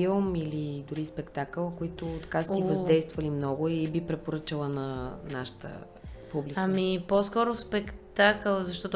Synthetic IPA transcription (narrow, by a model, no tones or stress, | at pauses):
ilˠmilid̪ʊɾispɛkt̪akəlˠkoit̪ʊt̪ɐkast̪ivɐzdd̪ɛjst̪vəlimnɔɡʊibipɾɛpoɾɤt͡ʃəlˠənɐnaʃə̥t̪ə̰ | publiamiposkɔɾʊspɛkt̪akəlˠzɐʃt̪ɔt̪